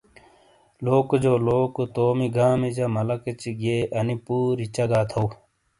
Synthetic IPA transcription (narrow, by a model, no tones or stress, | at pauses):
loːkd͡ʑoːloːkut̪oːmiɡaːmid͡ʑɐmɐlɐket͡ɕiɡeːʔɐnipuːɾit͡ɕɐɡaːt̪ʰow